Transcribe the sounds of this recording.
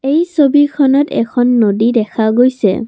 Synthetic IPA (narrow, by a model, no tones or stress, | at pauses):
ejsobikʰɔnɔtɛ̰kʰɔnːodidɛkʰaɡojsɛ̰